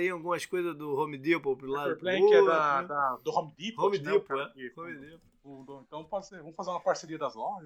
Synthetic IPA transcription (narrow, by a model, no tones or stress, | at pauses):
t̪ẽj̃awɡũmɐskojzɐzd̪ʊhõmɪd̪ipopɾulad̪ʊpɾ̃oɛd̪ɐd̪ɐd̪ʊhõmɪd̪iphõmid̪ipʊɛihõmid̪ip | ũd̪oẽnt̪ɐ̃w̃pɔsevɐ̃mʊfazeɾũɐpaɾseɾiɐd̪ɐzlɔʒɐs